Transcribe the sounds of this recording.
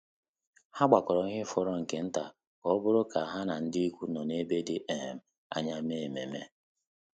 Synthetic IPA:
ha˦ɡ͡ba˨kɔ˨ɾɔ˨˦ɲɪ˦fɔ˨ɾɔ˦ŋ̩˨ke˨n̩˦ta˨ | kɔ˨ɔ˦bʊ˦ɾʊ˦ka˨a˨ɦa˦na˨n̩˦dɪ˦i˦kʷu˦nɔ˨ne˦be˦dɪ˦ʔe˨m̩˨ | a̰˨ɲa˦m˦e˦˨e˨me˨me˦

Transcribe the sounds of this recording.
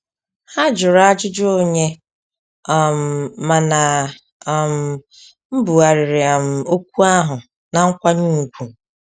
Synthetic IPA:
ha˦d͡ʒʊ˨ɾa˦d͡ʒʊ˦d͡ʒʊ˦o˦ɲe˦˨ | m̩˨ma˨na˨ | m̩˨ | m̩˦bu˨a˨ɾɪ˨ɾɪ˨a˨m̩˨o˦kʷu˦a˦ɦʊ˨ | na˨ŋ̩˦kʷa˦ɲu˦u˨kʷu˨

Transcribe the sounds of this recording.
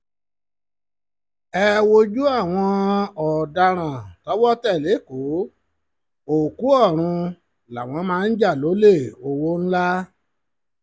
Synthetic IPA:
ɛ˧wo˧d͡ʒu˦a˦˨w̃ɔ̃˧ɔ˨da˧ɾ̃ã˨tɔ˨˦wɔ˦tɛ˦˨le˨˦˨ko˨˦ | o˨ku˨˦ɔ˦˨ɾ̃ũ˧ | la˨w̃ɔ̃˨˧˦mãː˦˧n̩˦d͡ʒa˦˨lo˨˦le˦˨o˧wo˦n̩˦la˦

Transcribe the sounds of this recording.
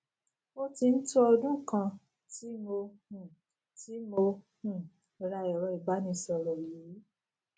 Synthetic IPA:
o˦ti˧n̩˦tu˦ɔ˧dũ˦˨kã˧ | ti˨˦mo˧hũ˨ | ti˦mo˧ | hũ˨˧ | ɾa˧˨jɔ˨ɾɔ˧˦i˨ba˨˦nĩ˧˦sɔ˧ɾɔ˨ji˨˦

